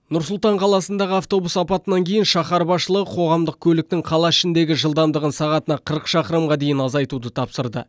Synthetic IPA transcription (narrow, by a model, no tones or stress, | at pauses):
nʊɾsʊlˠt̪ɑɴqʰɑlˠɑsənd̪ɑʁəɑft̪o̞busɑpɑt̪ənɑŋkʲʰe̞jɪnʃɑχɑɾbɑʃəlˠəʁəqʰo̞ʁɑmd̪əq̚kʲʰɵlɪk̚t̪ɪŋqʰɑlˠɑɪʃɪnd̪e̞ɡʲɪʒəlˠd̪ɑmd̪əʁənsɑʁɑt̪ənɑqʰəɾəqʃɑqəɾmʁɑd̪e̞jɪnɑzɑjt̪ud̪ət̪ʰɑpsəɾd̪ə̰